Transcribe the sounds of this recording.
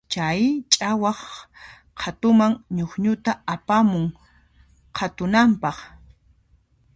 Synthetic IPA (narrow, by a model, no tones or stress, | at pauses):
t͡ʃajt͡ʃʼawɑχ | qʰat̪ʊmaŋɲʊχɲʊt̪aapamʊŋ | qʰat̪ʊnampɑχ